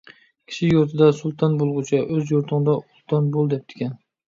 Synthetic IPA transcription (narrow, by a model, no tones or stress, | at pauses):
kʲʰɪ̥ʃɪjoɾt̪ʰɪd̪asʊlˠt̪ʰɑnbolˠʁʊt͡ʃʰaʔɵzjoɾt̪ʰʊŋd̪aʔʊlˠt̪ʰɑnbolˠd̪ep̚d̪̥ɪ̥kʲan